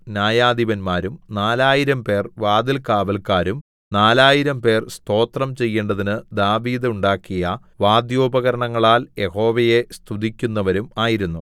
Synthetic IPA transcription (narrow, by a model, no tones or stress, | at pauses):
njaːjaːd̪iʋɐnmaːɾumnaːlaːjiɾɐmpe̞ːrʋaːd̪ilkaːʋɐlkaːɾum | naːlaːjiɾɐmpe̞ːrst̪o̞ːt̪rɐmt͡ɕe̞jːeːɳɖɐðinɨd̪aːʋiːd̪uɳɖaːkːijɐ | ʋaːd̪joːbɐɣɐɾɐɳɐŋːɐɭaːlje̞ho̞ːʋɐje̞st̪ʰud̪ikʲːunːɐʋɐɾumaːjiɾunːu